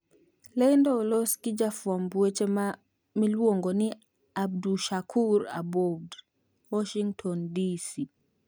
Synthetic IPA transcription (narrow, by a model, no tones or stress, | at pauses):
lɛjndɔlɔskid͡ʒafwambuɛt͡ʃɛa | milwɔŋɡɔni | ab̚duʃakʰuɾa̰bɔbd | wɔʃiŋtʰɔndisi